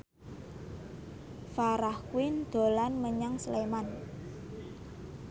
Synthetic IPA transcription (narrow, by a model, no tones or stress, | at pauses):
faɾahkwɪnd̪̥o̤lanməɲaŋsleman